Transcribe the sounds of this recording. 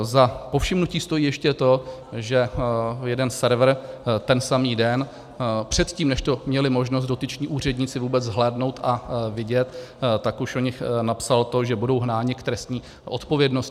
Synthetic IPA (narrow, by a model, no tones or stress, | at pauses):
zapo̞fʃɪmnuciːst̪o̞jiːjɛʃcɛt̪o̞ʒɛjɛdɛnsɛɾvr̩t̪ɛnsamiːdɛn | pr̝̥ɛt̪ciːmnɛʃt̪o̞mɲɛlɪmo̞ʒnost̪̚do̞t̪ɪt͡ʃɲiːʔuːr̝ɛdɲɪt͡sɪvuːbɛt͡szɦlɛːdno̞wt̪avɪɟɛt̪t̪ːakuʃoɲɪxnapsalt̪o̞ʒɛbudo̞wɦnaːɲɪkt̪ɾɛst̪ɲiː | ʔot̪po̞vjɛdnosɪ